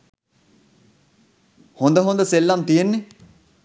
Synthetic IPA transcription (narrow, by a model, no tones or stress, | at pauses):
hʊ̃nd̪əɦʊ̃nd̪əselːɐmt̪iənːe